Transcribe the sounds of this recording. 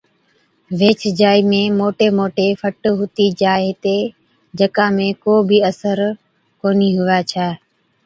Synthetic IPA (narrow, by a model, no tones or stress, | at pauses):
ʋeːt͡ʃd͡ʒaːiːmẽːmoːʈeːmoːʈeːfʰəʈɦʊt̪iːd͡ʒaːeːt̪eː | d͡ʒəkãːmẽːkoːbʱiːəsəɾ | koːniːɦʊʋaːt͡ʃʰaː